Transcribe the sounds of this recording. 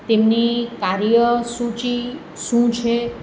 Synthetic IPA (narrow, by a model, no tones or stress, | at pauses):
t̪emnikaɾjəsũt͡ʃi | ʃũt͡ʃʰe